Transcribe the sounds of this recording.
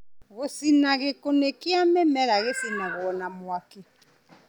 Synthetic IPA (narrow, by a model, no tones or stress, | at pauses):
ɣosinaɣekonekiamemɛɾaɣesinaɣwɔnamʊaki